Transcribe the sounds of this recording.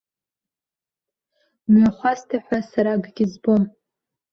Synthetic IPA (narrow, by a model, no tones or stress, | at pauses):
mɥaχʷastʰaħʷasaɾaɡɡʲɪzbo̞m